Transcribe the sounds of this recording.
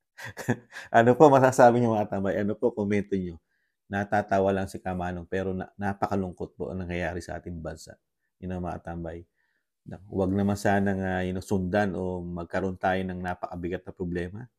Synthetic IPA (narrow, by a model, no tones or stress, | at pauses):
ʔɐnopo̞mɐsaːsaːbɪɲʊŋmɐɐt̪ɐmbajʔɐnopo̞komɛnt̪oɲo̞ | nɐt̪aːt̪aːwɐlɐŋsɪkamaːnoŋpɛːɾo̞nnapɐkɐlʊŋko̞t̪̚poʔɐ̰ŋnɐŋjɐjaːɾɪsɐ̰ʔa̰ːt̪ɪŋbɐnsa̰ʔ | jɐnoŋmɐʔɐ̰t̪ɐmbaj | nɐwɐɡ̚nɐmansaːnɐŋajɪnosʊnd̪anʔo̞mɐɡ̚kɐɾo̞nt̪aːjo̞nɐŋnaːpɐkɐbɪɡat̪̚nɐpɾoblɛːmɐ